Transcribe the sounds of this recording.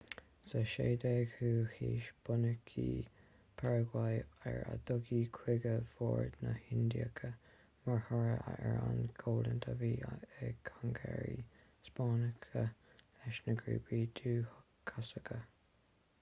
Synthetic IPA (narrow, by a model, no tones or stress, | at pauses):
səʃeːd̪ɛɡhuːhiːʃb̥ʊnəkʰiː | pʰɛɹəɡwajɛɹa̰d̪ʊɡiːkʰwɪɡəv̥oːɹdnəhɪnd̪iəkʰə | məɹhəɹəʔaʔɛɹanɡʰoːlənt̪ʰaviːɛkʰaŋɡɛɹi | spɑːnəkʰəlɛʃnəɡɹḭːbɹiːd̪uːhkʰːasəkʰə